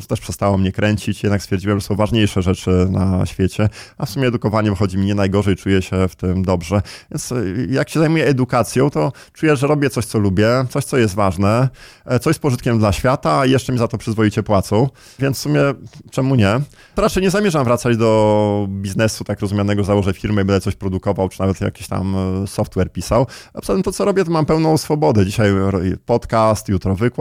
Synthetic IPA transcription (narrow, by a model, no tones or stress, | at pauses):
t̪ɛʂpʂɛst̪awɔmɲɛkɾʔɛɲt͡ɕit͡ɕjɛd̪nakst̪fʲjɛɾd͡ʑiwɛmʐɛsɔ̃w̃vaʐɲejʂɛʐɛt͡ʂɘna̰ɕfʲjet͡ɕɛafsumʲjɛːd̪ukɔvaɲɛvɘxɔd͡ʑimɲɛnajɡɔʐɛjt͡ʂujɛɕɛft̪ɘmd̪ɔbʐɛvʲjɛnt̪sjakɕɛzajmujɛːd̪ukat̪sʲjɔ̃w̃t̪ɔ | t͡ʂujɛʐɛɾɔbʲjɛt̪sɔɕt̪sɔlubʲjɛt̪sɔɕtsɔjɛs̬t̪vaʐnɛt̪sɔɕspɔʐɨt̪kʲɛmd̪laɕfʲjat̪ajɛʂt͡ʂɛmʲizat̪ɔpʂɘzvɔit͡ɕɛpwat̪sɔ̃w̃ | vʲjɛnt̪fsumʲjɛt͡ʂɛmuɲɛ | ɾat͡ʂɛjɲɛzamʲjɛʐamvɾat̪sad͡ʑd̪ɔbʲiznɛsut̪akɾɔzumjanɛɡɔzawɔʐɛfʲiɾmɘibɛnd̪ɛt̪sɔɕpɾɔd̪ukɔvawt͡ʂɨ̥navɛt̪ja̰kʲi̥ɕt̪a̰msɔft̪wɛɾpʲisawapsaɛmt̪ɔt̪sɔɾɔbʲjɛt̪ɔmampɛwnɔ̃w̃sfɔbɔd̪ɛd͡ʑiɕajɔpɔt̪kast̪jut̪ɾɔvɘkw